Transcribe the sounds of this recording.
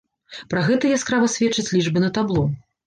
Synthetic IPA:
pɾaɣɛt̪ɐjaskɾavɐsʲvʲɛt͡ʂːɐt͡sʲlʲiʐbɨnɐt̪ablˠɔ

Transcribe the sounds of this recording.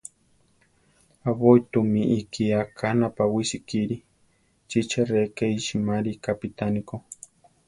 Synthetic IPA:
aβojt̪umiʔːkiakʰanapawisikiɾi | t͡ʃit͡ʃaɾekejʃimaɾikapit̪aniko

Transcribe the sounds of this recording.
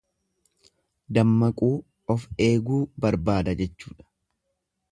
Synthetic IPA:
d̪ɐmːɐkʼuː | ɔfe̞ːɡuːbɐɾbaːd̪ɐd͡ʒɛt͡ʃːuːᶑɐ̥

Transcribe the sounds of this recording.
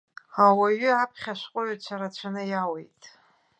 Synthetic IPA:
awaɥʏapʰχʲaʃʷqʷʼʊɥat͡ɕʷʰaɾat͡ɕʷʰanɨjawejtʼ

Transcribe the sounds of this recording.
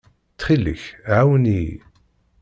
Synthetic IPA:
t͡sːχilə̰çʕawəni

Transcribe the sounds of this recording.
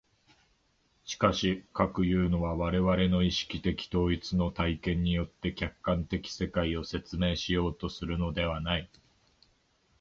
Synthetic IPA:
ɕi̥kaɕikakɯ̟jɯ̟ːno̞βaβaɾe̞βaɾe̞no̞iɕi̥kʲit̪e̞kʲi̥t̪o̞ːit͡sɨno̞t̪aikẽ̞ɲ̟ːijo̞t̪ːe̞kʲakːãnt̪e̞kʲi̥se̞kaio̞se̞t͡sɨme̞ːɕijo̞ːt̪o̞sɨɾɯ̟no̞d̪e̞βanai

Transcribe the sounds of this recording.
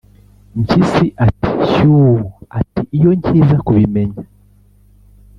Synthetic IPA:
ɲcisiʔati̥ʃuua̰tiʔijoɲcʰizakuβimeɲa

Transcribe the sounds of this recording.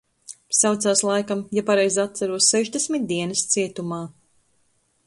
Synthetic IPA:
sawt̪saːslˠajkamjapaɾɛjzat̪sæɾuɔsːɛʒd̪esʲmʲit̪̚d̪iɛnɨst̪siɛt̪umaː

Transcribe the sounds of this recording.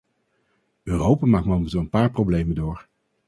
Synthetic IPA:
ʔøːrowpaːmaːkmɔmətɔənpaːɹprowblejməndʊːɹ

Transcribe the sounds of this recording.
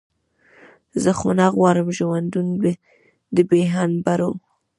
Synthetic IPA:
zəxʊnɑɣwɑɾəmʒəwand̪unbe | d̪əbeɦanbaɾo

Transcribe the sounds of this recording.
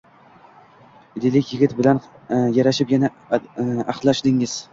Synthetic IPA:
ɪd̪ɪlɪkʲjɪɡʲɪt̪bɪlan | jaɾaʃɪpjana | aqlˠːaʃd̪ɪŋɪz̥

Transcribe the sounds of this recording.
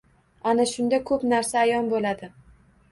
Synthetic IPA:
anaʃʊnd̪akʰɵpnaɾsaːjɒnbolad̪ɪ

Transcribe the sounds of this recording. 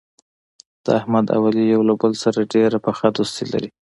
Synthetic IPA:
d̪̥əahmad̪a̰walijawlabəlsaɾaɖeɾapəxad̪ost̪ela̰ɾi

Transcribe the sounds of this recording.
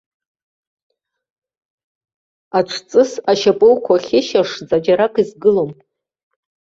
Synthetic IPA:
aʈ͡ʂʷʰt͡sʼɨsaʃapʼowkʷʰaχʲɪʃaʂzad͡ʒaɾakʰʼizɡɨlom

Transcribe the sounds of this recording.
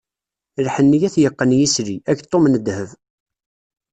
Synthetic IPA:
ɾħənːijæθjəqːənjisɾiæçt̪ˤːomnəd̪həv

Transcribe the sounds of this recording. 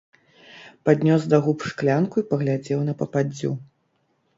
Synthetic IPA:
pad̪ʲnʲɔsd̪aɣupʂklʲankuipɐɣlʲad͡zʲɛwnɐpɐpad͡zʲːṵ

